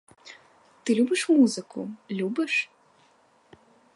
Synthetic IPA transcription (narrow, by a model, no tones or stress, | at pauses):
t̪ɨlʲubɨʂmuzɨkṵlʲubɨʂ